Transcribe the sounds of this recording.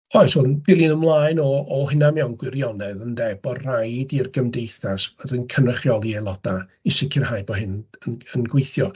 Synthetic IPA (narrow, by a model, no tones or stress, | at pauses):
ɔjsɔnbɪlˠinəmlˠaːjnɔːɦɪnamɛwnɡwɪɾjɔnɛðəndɛbɔrajdirɡəmdejθasdənkʰənrəχjɔlˠiɛlˠɔd̥aɪsɪkʰɪrhajbɔɦɪnənənɡwejθjɔ